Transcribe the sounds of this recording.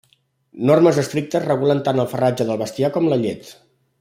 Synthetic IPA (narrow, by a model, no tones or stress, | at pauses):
norməzəst̪ɾik̚t̪əzrəɣulənt̪anəlˠfərad͡ʒəðəlˠβəst̪iakɔmləʎet̪